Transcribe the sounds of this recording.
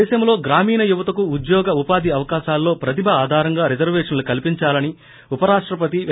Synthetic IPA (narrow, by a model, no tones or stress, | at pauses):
ɛːʃɐmlo̞ːɡɾaːmiːnɐjuʋɐt̪ɐkuːd̪jɔːɡɐupaːd̪ʱiɐʋɐkaːʃaːlːo̞ːpɾɐt̪ibʱɐaːd̪ʱaːɾɐŋɡaːɾid͡ʒɐɾʋɛːʂɐnlukɐlipiɲt͡ʃaːlɐni | upɐɾaːʂʈɾɐpɐt̪i